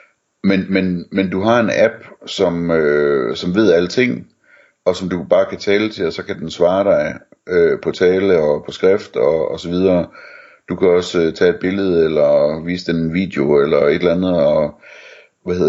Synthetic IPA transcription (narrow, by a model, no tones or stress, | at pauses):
menmenmend̥uɦɑ̈e̝næb̥sɒ̽møsɒ̽mʋe̝ð̞̰ˠælət͡sʰe̝ŋ̰ | ɒ̽sɒ̽md̥ub̥ɑ̈ːkʰæt͡sʰɛːlət͡sʰe̝lɒsɒ̽kʰæd̥ensʋɑ̈ːɾ̥ɑ̈ɪ | øpʰɒ̽t͡sʰɛːləɒ̽pʰɒ̽sɡ̥ʁɛfd̥ɒ̽ːsɒ̽ʋið̞ˠɐ | d̥ukʰæɒ̽st͡sʰɛ̰ːe̝d̥̚b̥e̝ləð̞̩ˠelɐʋḭːsəd̥ennʋḭːd̥eo̝elɐe̝d̥lænð̩ˠɒ̽ | ʋæheð̰ˠ